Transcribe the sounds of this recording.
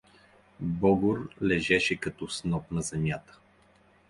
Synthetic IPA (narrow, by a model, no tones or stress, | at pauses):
bɔɡʊɾlɛʒɛʃɛkɐt̪ɔsnɔpnɐzɛmʲjat̪ə̥